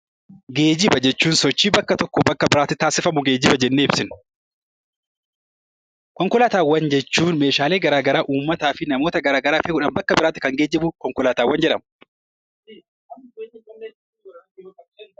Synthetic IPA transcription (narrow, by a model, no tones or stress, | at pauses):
ɡe̞ːd͡ʒɪbɐd͡ʒɛt͡ʃːuːnsɔt͡ʃːiːbɐkːɐt̪ɔkːɔbɐkːɐbɪɾaːt̪ːɪt̪aːsɪfɐmʊɡeːd͡ʒɪbɐd͡ʒɛnːeːɪbsɪn | kɔŋkɔlaːt̪aːwːɐnd͡ʒɛt͡ʃːuːnme̞ːʃaːle̞ːɡɐɾaːɡɐɾaːʔuːmːɐt̪aːfɪnɐmo̞ːt̪ɐɡɐɾaːɡɐɾaːfeːʊᶑɐnbɐkːɐbɪɾaːt̪ːɪ̥kɐŋɡe̞ːd͡ʒɪbʊkɔŋkɔlaːt̪aːwːɐnd͡ʒɛᶑɐmʊ